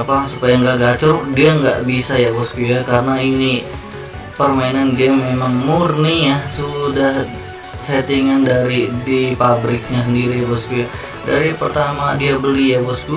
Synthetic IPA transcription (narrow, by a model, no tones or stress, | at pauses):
pasupajaŋɡaʔɡat͡ʃʊrdiaŋɡa̰ʔbisajaɡɔskujakaɾənaini | pərmainanɡɛmːemaŋmurnijasudah | set̪iŋandaɾidipabɾɪk̚ɲas̬əndiɾijaɡɔskuja | daɾipərt̪amadiabəlijaɡɔsku